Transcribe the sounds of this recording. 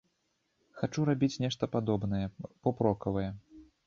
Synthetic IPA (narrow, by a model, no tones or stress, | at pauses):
xat͡ʂuɾabʲit͡sʲnʲɛʂt̪ɐpad̪ɔbnɐjɛpɔpɾɔkɐvɐjɛ